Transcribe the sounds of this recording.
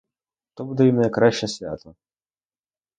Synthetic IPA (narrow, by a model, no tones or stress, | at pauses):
t̪ɔbud̪ɛimnɐjkɾaɕʲɐsʲvʲa̰t̪ɐ